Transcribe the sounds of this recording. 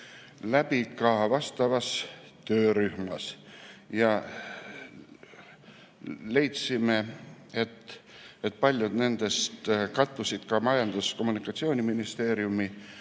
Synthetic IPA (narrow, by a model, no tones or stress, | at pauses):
læb̥ikɑvɑst̪ɑvɑst̪øːɾyhmɑ̰sjɑ | le̞jt̪sime̞et̪ː | et̪̚pɑlʲjud̪ne̞nd̪̥e̞st̪kɑt̪ːusid̪̥kɑmɑjɑnd̪usko̞mːunikːˑɑt̪sioːnʲiminist̪e̞ːɾjumi